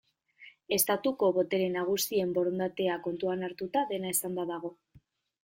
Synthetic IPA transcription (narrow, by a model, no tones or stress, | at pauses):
e̞st̪at̪uko̞βo̞t̪e̞ɾe̞naɣ̞usie̞mbo̞ɾond̪at̪e̞ako̞nt̪uanaɾt̪ut̪aðe̞naesand̪aðaɣ̞o̞